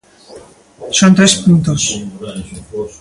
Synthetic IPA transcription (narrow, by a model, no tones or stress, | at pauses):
sont̪ɾespunt̪os